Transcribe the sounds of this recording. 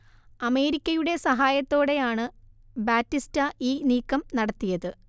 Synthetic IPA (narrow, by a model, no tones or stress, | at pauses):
ɐme̞ːɾikʲːɐjuɽe̞sɐɦaːjɐt̪ːo̞ːɽe̞jaːɳɨ | baːtːistɐʔiːniːkːɐmnɐɽɐt̪ːijɐðɨ